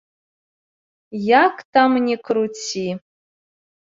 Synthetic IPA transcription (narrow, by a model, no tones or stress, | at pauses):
jakʰʼtʰamnʲikʰɾut͡sʰi